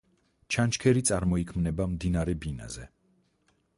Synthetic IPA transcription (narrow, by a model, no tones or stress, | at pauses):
t͡ʃʰant͡ʃkʰɛɾit̪sʼaɾmɔikʰmnɛbamd̪inaɾɛbina̰zɛ